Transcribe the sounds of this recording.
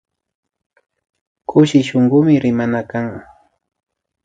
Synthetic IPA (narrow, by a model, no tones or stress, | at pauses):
kʊʃɪʃoŋɢʊmɪɾɪmanakaŋ